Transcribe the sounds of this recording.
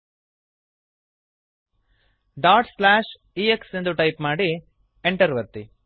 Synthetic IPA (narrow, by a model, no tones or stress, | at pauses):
ɖaːʈslaːʃ | ieksend̪uʈɐjpmaːɽi | eɳʈɐɾʋɐt̪ːi